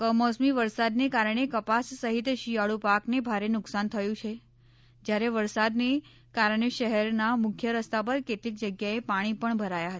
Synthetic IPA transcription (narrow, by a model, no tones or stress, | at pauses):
kəmɔsmiʋəɾsad̪nekaɾəɳ̃ekəpasːəɦit̪ʃijaɭupaknebʱaɾenʊksant̪ʰəjũt͡ʃʰe | d͡ʒjaɾeʋəɾsad̪ne | kaɾəɳ̃eʃəɦɛɾnamʊkʰjəɾəst̪ap̬əɾket̪lik̚d͡ʒəɡjaepaɽ̃ipəɳbʱəɾajaɦət̪a